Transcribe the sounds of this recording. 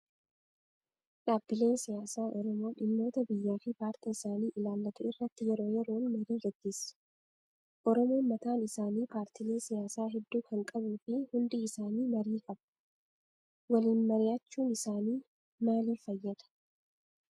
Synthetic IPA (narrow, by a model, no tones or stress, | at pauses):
ᶑaːbːɪle̞ːnsɪjaːsaːʔɔɾɔmo̞ːᶑɪmːo̞ːt̪ɐbɪjːaːfɪpaːɾt̪iːɪsaːniːʔɪlaːlːɐt̪ʊɪrːɐt̪ːɪjɛɾo̞ːjɛɾo̞ːnmɐɾiːɡɐɡːeːsɐ̥ | ʔɔɾɔmo̞ːmɐt̪aːnɪsaːniːpaːɾt̪ɪleːnsɪjaːsaːɦɛd̪ːuːkɐŋkʼɐbuːfɪhʊnd̪ɪɪsaːniːmɐɾiːkʼɐb̥ | wɐliːnmɐɾɪjaːt͡ʃːuːnɪsaːniː | maːliːfɐjːɐᶑ̪ɐ̥